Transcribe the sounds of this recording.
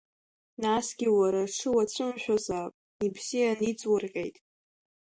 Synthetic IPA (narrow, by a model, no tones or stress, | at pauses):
nasɡʲiwaɾaʂʰɨwat͡sʷʰɨmʃʷᶣazaːpʼ | ibzijanit͡sʼwʊrqʲʼe̞̰jtʼ